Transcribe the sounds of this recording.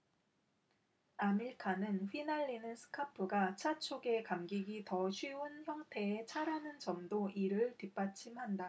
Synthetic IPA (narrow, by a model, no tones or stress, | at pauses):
amiɭkʰanɯnɸinaʎːinɯns͈ʰɯ̥kʰapʰɯɡat͡ɕʰat͡ɕʰoɡe̞kamɡiɡitʌɕʰɥiunçjʌŋtʰe̞et͡ɕʰaɾanɯnt͡ɕʌmdoʔiɾɯɭtip͈at͡ɕʰimhanda